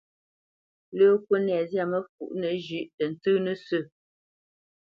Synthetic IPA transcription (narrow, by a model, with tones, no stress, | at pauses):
ləː˦kwə˦nɛ˨zja˦˨mə˦fu˨ʔnə˨d͡ʒʉ˦ʔtə˨n̩˨tɨ˦nə˦sʉ˦˨